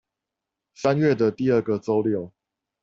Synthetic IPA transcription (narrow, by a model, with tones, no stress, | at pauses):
sa˦nɥɛ˥˨d̪ə˨t̪i˥˨ə˥˩ɡə˨t͡so˦ʊljo˥˨ʊ